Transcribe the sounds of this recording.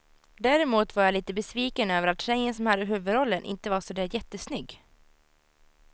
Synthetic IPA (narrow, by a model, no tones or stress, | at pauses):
d̪æːɾɛmuːt̪vaɾjaliːt̪əbɛsviːkənøːvəɾat̪ʃɛjənsɔmhad̪ːəɦʉ̟ːvɵd̪ɾɔlːənʔɪ̰nt̪əvaʂɔd̪æːɾjɛt̪ːəsnʏɡː